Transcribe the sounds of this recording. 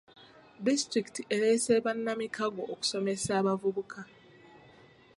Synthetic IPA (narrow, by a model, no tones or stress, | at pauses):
distɾiktʰieɾeseβanːamikʰaɡoʔːku̥so̞me̞saːβavuβukʰa